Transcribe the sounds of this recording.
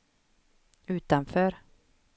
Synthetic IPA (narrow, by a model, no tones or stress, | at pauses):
ʉ̟ːt̪anfœːɾ